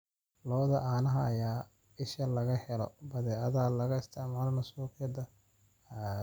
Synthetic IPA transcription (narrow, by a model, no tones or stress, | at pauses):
lɔːðɐʔaːnɐɦɐːjaː | ɪʃɐlɐɣɐhɛlɔ̰bɐðɛːʔɐðalɐɣɐɪst̪ʰɪʕmaːlɐnɐsuːqɪjɐd̪ɐ